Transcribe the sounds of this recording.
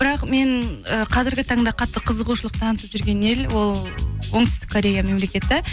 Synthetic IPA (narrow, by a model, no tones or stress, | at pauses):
b̥ɪɾɑqme̞ɴəqʰɑzɪɾɡʲɪt̪ʰɑɴd̪ɑqʰɑt̪ːəqʰəzəʁuʃəlˠəq̚t̪ʰɑnət̪əpʒʏɾɡʲe̞nelwo̞lˠwo̞ŋt̪ɪst̪ɪ̥kʰːoɾʲe̞jame̞mle̞kʲe̞t̪ːɪ